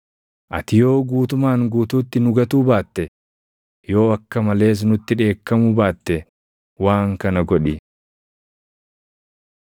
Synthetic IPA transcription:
ʔɐt̪ɪjo̞ːɡuːt̪ʊmaːŋɡuːt̪uːt̪ːɪnʊɡɐt̪uːbaːt̪ːɛ | jo̞ːɐkːɐmɐle̞ːs̬nʊt̪ːɪᶑe̞ːkːɐmʊbaːt̪ːɛ | waːŋkɐnɐɡɔᶑɪ

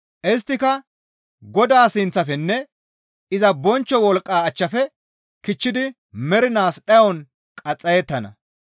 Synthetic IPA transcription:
ʔɪs̬t̪ːɪkɐ | ɡɔd̪aːsɪnt͡sːɐfɛnːɛ | ɪzɐbɔnt͡ʃːɔwɔlkʼːaːɐt͡ʃːɐfɛ | kɪt͡ʃːɪd̪ɪ | mɛɾɪnaːsɗɐjɔn | kʼɐt͡sʼːɐjɛt̪ːɐnɐ̰

